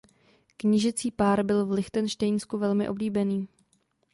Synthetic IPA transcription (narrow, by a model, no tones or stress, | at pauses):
kɲɪʒɪt͡siːpaːɾbɪlvlɪxt̪ɛnʃt̪ɛjnskuvɛlmɪ̰ʔo̞bliːbɛniː